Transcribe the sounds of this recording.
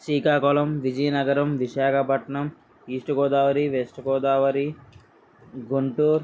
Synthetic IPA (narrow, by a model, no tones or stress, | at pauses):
siːkaːkɔːlɐmʋid͡ʒɐjɐnɐɡɐɾɐmʋiʃaːkʰɐpɐʈɳɐm | iːsʈuɡɔːd̪aːʋɐɾiʋesʈɡɔːd̪aːʋɐɾi | ɡuɳʈuːɾ